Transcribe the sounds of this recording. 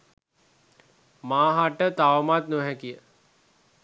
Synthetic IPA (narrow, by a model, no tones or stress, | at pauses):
maːɦaʈət̪aʋmat̪noɦɛkijə